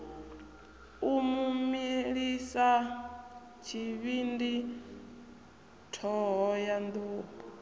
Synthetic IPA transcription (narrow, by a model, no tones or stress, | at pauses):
umumiɺisa | t͡ʃʰiβindi | tʰɔɦɔjand̪uːpɔ